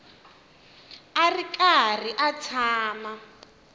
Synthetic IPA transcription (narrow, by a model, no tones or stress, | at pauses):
arikar̤iʔat͡sʰaːma